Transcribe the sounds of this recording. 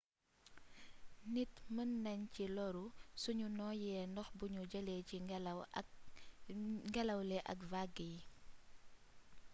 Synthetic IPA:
nitmənːɛɲcilɔɾusuɲunɔːjɛːndɔxbuɲuɟɐleci | ŋɡɛlɐwlɛʔɐ̰kvaɡij

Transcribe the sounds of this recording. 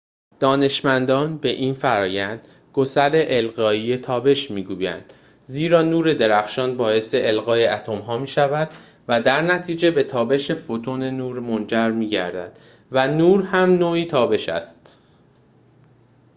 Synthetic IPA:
d̪̥ɒːne̞ʃmænd̪ɒːnbe̞ʔiːnfæɾɒːjænd̪̥ | ɡ̥osæɾe̞ʔelɣɒːiːje̞t̪ʰɒːbe̞ʃmiːɡuːjæ̰nd̪̥ | ziːɾɒːnuːɾe̞d̪e̞ɾæxʃɒːnbɒːje̞seʔelɣɒːjeæt̪ʰo̞mɦɒːmiːʃævæd̪ | væd̪æɾnæt̪ʰiːd͡ʒe̞be̞t̪ʰɒːbe̞ʃe̞fot̪ʰone̞nuːɾmond͡ʒæɾmiːɟæ̰ɾd̪æ̰d̪̥ | vænuːɾhæmnoːiːt̪ʰɒːbe̞ʃæ̰st̪

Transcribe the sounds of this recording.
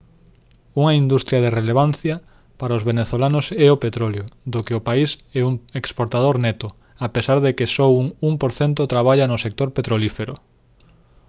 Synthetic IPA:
uŋɐind̪ust̪ɾjɐðereleβ̞an̟θjɐ | paɾaozβeneθolanʊsɛopet̪ɾɔljoðokeopaisɛuŋekspoɾt̪að̞oɾnɛt̪ʊ | apesaɾðekɪsɔwuŋuŋpoɾθɛnt̪ʊt̪ɾaβ̞aʎɐnʊsek̚t̪oɾpet̪ɾolifeɾʊ̰

